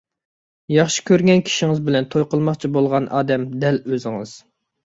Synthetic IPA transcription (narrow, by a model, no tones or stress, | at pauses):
jɑχʃi̥kʲøɾɡʲɛnkʲʰi̥ʃiŋɨzbɪlɛnt̪ʰojqəlˠmɑχt͡ʃʰibolˠʁɑnʔɑ̰ːd̪ɛmd̪ɛløzɪŋɨz̥